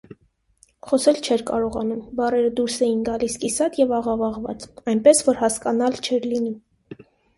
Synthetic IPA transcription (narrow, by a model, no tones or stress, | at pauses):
χɔsɛlt͡ʃʰɛɾkɑɾɔʁɑnumbɑrɛɾəd̪uɾsɛjinɡɑliskisɑt̪jɛvɑʁɑvɑʁvɑ̰t͡sɑjnpɛsvɔɾhɑskɑnɑlt͡ʃʰɛɾlini